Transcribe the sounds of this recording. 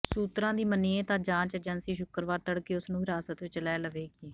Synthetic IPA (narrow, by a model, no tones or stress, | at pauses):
suːt̪ɾãːd̪iːməniːẽːt̪ãːd͡ʒãːt͡ʃɛd͡ʒənsiːʃʊkəɾʋaːɾt̪əɽkeːʊsnũːɦɪɾaːsət̪ʋɪt͡ʃlɛːləʋeːɡiː